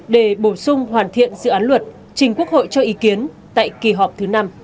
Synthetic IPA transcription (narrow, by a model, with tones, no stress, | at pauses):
ɗe˧˩ɓo˧˩sʊ˧ŋ͡mhwaː˨˩nt̪ʰḭ˧˨ənzɨ̰˧˨ʔaː˨˦nlwə˨˩t̚ | t͡ɕï˨˩ŋ̟ku˦˥ək̚ho̰˧˨jt͡ɕɔ˧ʔi˨˦ki˨˦ən | t̪a̰ː˧˨jki˨˩ɦɔ˨˩p̚t̪ʰɨ˨˦na˧m